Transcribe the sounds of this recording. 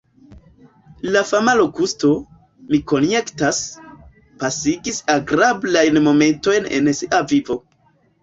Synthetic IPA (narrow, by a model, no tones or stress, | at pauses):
lafamalo̞kusto̞ | miko̞nje̞ktas | pasiɡisaɡɾablajnmo̞me̞nto̞jne̞̰nsiʔavivo̞